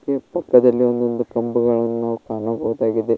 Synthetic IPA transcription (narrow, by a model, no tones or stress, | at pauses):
kːepɐkːɐd̪ɐlːio̞nd̪ond̪ukɐmbuɡɐɭɐnːunaːʋukaːɳɐbɐʋud̪aːɡid̪e